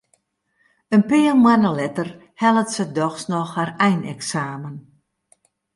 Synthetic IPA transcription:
ənpiəlmwanəlɛtər | hɛlˠətsədɔxsnɔxharɛjnɛ̰ksaːmən

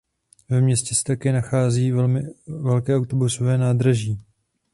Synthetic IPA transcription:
vɛmɲɛscɛsɛ̥t̪akɛːnaxaːziːvɛlmɪvɛlkɛːʔawt̪o̞buso̞vɛːnaːd̪ɾaʒiː

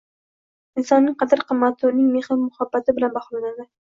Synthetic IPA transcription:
ɪnsɒnnɪŋqʰɑd̪ɪɾqʰɨmːat̪ʰːʊɾnɪŋmehɪɾmʊhabːat̪ʰɪbɪlanbaχlˠanad̪ɪ

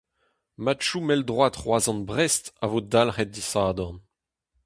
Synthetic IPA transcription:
matʃumɛld̪ʁwat̪χwazɑ̃nbʁɛst̪a̰vod̪alχɛt̚disaːd̪ɔn

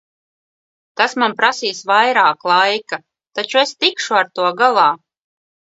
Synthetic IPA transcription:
t̪asmanpɾasiːsvajɾaːklˠajka | t̪at͡ʃuest̪ikʃuaɾt̪uɔɡalˠɑː

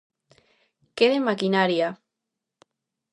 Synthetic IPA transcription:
keðemakinaɾja

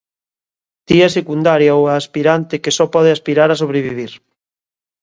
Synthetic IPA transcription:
d̪̥iɐsekund̪aɾjaowaːspiɾant̪ekesɔpɔð̞ɪaspiɾaɾasoβ̞ɾeβiβ̞iɾ

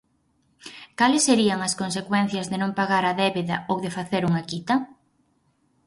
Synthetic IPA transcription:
kalɪsːeɾiɐŋɐskonsekwɛn̟θjɐzðɪnõŋpaɣaɾɐðɛβeðɐowðefaθeɾuŋɐkit̪ɐ

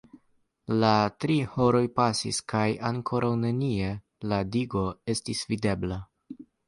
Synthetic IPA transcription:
latɾiho̞ɾo̞jpasḭskajaŋkʰo̞ɾʔawne̞nie̞ | ladiɡo̞e̞stisvide̞bla

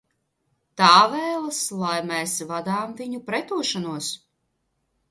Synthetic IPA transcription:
t̪aːvɛːlˠɨslˠajmɛsvad̪aːmviɲupɾɛt̪uɔʃanuɔs

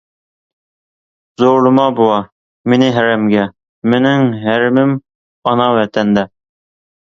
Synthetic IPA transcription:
zowlɤ̆mɑbuɑ | minɘɦæɾæmɡæ | mɘ̆nɘŋɦæɾɘ̆mɘm | ɑnɑwæt̪ænd̪æ

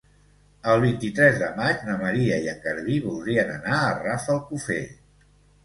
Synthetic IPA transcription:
əlˠβ̞int̪it̪ɾɛzðəmad͡ʒnəməɾiəiəŋkəɾβiβulˠd̪ɾiənənaərafəlˠkufḛ

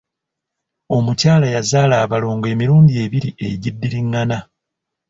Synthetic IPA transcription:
o̞mucaːlajazaːlaːβalo̞ːŋɡe̞ːmiɾuːnɟie̞ːβiɾiʔḛɟidːiɾiŋːana

